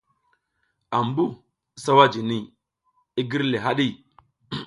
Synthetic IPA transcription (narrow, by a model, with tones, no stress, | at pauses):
a˨mbu˦˨ | sa˦wa˦d͡ʒi˨ni˦˨ | i˦ɡi˦ɾle˨ɦa˦ɗi˦˨